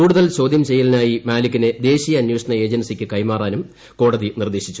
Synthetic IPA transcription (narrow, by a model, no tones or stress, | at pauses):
kuːɽuðɐlt͡ɕo̞ːd̪ʱjɐmt͡ɕe̞jːɐlinaːjimaːlikʲːined̪e̞ːɕijɐɐnjoːɕɐɳɐe̞ːd͡ʑɐnsikʲːɨkɐjmaːraːnum | ko̞ːɽɐðinird̪e̞ːɕit͡ɕːu̥